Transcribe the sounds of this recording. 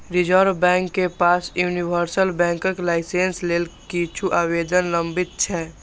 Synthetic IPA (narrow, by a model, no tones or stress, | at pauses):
ɾɪd͡ʒɔɾbɛ̃ːŋkːepaːsjuːniwəɾsəlbɛ̃ːŋkəklaːɪseːnsleːlkit͡ʃʰuʔaːweːd̪ənlə̃mbɪt̪̚t͡ʃʰɛː